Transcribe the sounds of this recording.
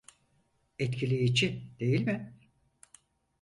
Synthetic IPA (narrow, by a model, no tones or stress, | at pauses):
ɛt̪cʰilʲejid͡ʒid̪̥e̞jilʲmɪ